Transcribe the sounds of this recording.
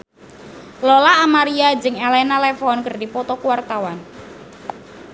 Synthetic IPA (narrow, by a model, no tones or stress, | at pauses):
lolaːmaɾiad͡ʒɨŋelɛnalɛfɔnkɨrdipɔt̪ɔkuwart̪awan